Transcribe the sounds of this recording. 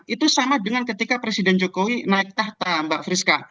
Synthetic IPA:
it̪usamadəŋankət̪ikapɾesidɛnd͡ʒokowinaɪk̚t̪aht̪ambaʔfɾiska

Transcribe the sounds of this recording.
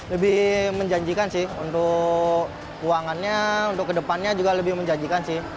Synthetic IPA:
ləbɪhməɲd͡ʒaɲd͡ʒikansɪhunt̪ʊk | uaŋanɲaunt̪ʊkːədəpanɲad͡ʒuɡaləbɪhməɲd͡ʒaɲd͡ʒikansɪh

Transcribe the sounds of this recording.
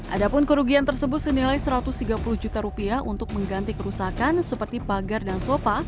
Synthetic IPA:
ʔadapʊnkəɾuɡiant̪ərsəbʊt̪̚sənilajsəɾat̪ʊst̪iɡapuluhd͡ʒut̪aɾupiaʔunt̪ʊk̚məŋɡant̪ikəɾusakansəpərt̪ipaɡardansofa

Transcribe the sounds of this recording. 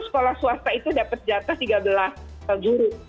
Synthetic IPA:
sə̥kolahsuast̪ait̪udapət̪̚d͡ʒat̪aht̪iɡabəlasəd͡ʒuɾʊ

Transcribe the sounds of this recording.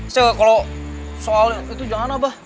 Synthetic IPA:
sɛkalo | soalit̪ud͡ʒaŋanabah

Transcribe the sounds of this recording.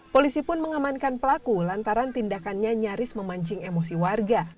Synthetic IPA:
polisipʊnməŋamankanpəlakulant̪aɾant̪indakanɲaɲaɾɪsməmaɲd͡ʒɪŋemosiwarɡa

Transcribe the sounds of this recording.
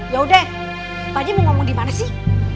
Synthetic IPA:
jaɦuda | bad͡ʒaməŋɔmɔŋdimanasɪh

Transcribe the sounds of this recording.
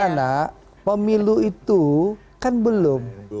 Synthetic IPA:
ana | pəmiluit̪u | kanbəlʊm

